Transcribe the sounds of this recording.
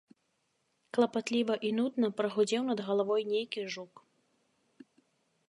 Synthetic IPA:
klˠɐpat̪lʲivɐʔinud̪nɐpɾɐɣud͡zʲɛwnɐd̪ɣɐlˠavɔjnʲejkʲiʐuk

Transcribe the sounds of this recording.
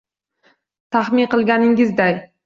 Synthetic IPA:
t̪ʰaχmɪnqɨlˠɡʲanɪŋɪzd̪aj

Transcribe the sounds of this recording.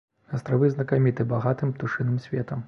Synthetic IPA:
ɐst̪ɾavɨznɐkamʲit̪ɨbaɣat̪ɨmpt̪uʂɨnɨmsʲvʲɛt̪ɐm

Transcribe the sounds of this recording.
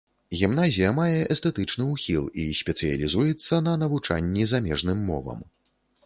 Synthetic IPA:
ɣʲimnazʲijɐmajɛʔɛst̪ɛt̪ɨt͡ʂnɨuxʲilˠisʲpʲɛt̪sɨjɐ̰lʲizujɛt̪sːɐn̪ɐnɐvut͡ʂa̰nʲːizamʲɛʐnɨmːɔ̰vɐ̰m

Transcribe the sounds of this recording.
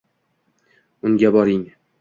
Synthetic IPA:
ʊŋɡʲabɒɾɪŋ

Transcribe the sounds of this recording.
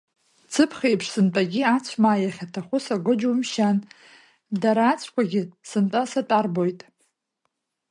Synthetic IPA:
t͡sʰɨpʰχʲejpʰʂsɨntʼaɡʲiat͡sʷʰmaːjaχʲatʰaχʷʊsaɡʷɨd͡ʒuwmʃan | daɾaːt͡sʷʰkʷʰaɡʲɪsɨntʼasatʼarbo̞jtʼ

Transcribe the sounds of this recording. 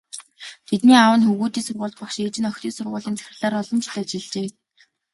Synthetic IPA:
t̪ʰet̪niːawə̆nxuɣuːt̪iːsʊrʁʊːɮt̪̚pɔχʃet͡ɕɪ̆nœxʲt̪iːsʊrʁʊːɮiːnt͡sʰæ̥xʲɪ̆ɮaːɾɔɮɞ̆mt͡ɕʰɮat͡ɕɪ̆ɮt͡ɕeː

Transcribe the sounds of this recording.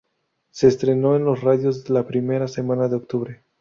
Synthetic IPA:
se̞ːst̪ɾe̞no̞enlo̞sraðjo̞zðelapɾime̞ɾase̞manaðeok̚t̪uβɾe

